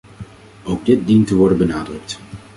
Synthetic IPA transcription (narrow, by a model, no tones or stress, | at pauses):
owɡ̚dɪt̚dintəʋɔɹdənbənaːdrɵk̚t